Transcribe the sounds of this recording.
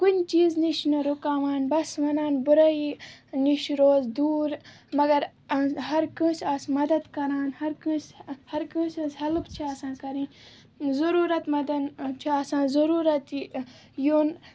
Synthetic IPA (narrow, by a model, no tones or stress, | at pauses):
kunʲt͡ʃiːzniʃnɐɾukaːʋaːnbɐsʋɐnaːnbuɾɐiniʃɾoːzd̪uːɾ | mɐɡɐɾ | ɦɐɾkɨ̃ːsɐsmɐd̪ɐd̪kɐɾaːnhɐɾkĩshɐɾkɨ̃ːsɐshɐlɨbt͡ʃʰiaːsãːkɐɾĩː | zɐɾuːɾɐt̪mɐd̪ɐnt͡ʃʰiasãːnzɐɾuːɾɐt̪ | jon